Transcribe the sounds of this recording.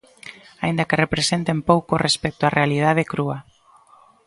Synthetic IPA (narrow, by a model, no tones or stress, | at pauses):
aind̪akerepɾesent̪empowkorespɛk̚t̪oarealið̞að̞ekɾuɐ